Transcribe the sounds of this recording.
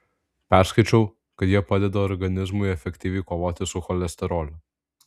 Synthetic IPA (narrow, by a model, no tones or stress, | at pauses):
pʲæˑɾskɐɪt͡ʃʲɛʊ | kɐt̪jiɛpɑːd̪ʲɛd̪ɐɔɾɡɐnʲɪzmʊɪɛfʲɛkʲt̪ʲiːʋʲɛɪkoːʋoːt̪ʲɪsʊxɔlʲɛsʲt̪ʲɛɾoːlʲʊ